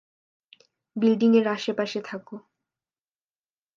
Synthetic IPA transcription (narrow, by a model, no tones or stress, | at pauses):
bilɖiŋeɾaʃepaʃet̪ʰako